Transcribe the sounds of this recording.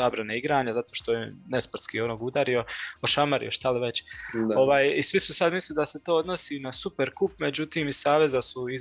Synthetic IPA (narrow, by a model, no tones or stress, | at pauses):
abɾaneiɡɾaːɲazat̪o̞ːʃt̪o̞jenespr̩t̪kiːonoːɡud̪aɾio̞oʃamaɾḭoʃt̪aliʋe̞t͡ɕo̞ʋaːjisʋisusad̪mislid̪ase̞t̪o̞ːod̪no̞sinasupe̞ɾkupme̞d͡ʑut̪iːmisaːʋe̞zasuiz